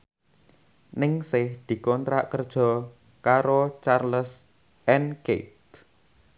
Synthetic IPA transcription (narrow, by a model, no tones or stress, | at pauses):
nɪŋsɪhd̪̥i̤kɔnt̪ɾa̰ʔkərd̥ʒ̥ɔ̤ | kaɾot͡ʃarləs | ʔɛnket̪̚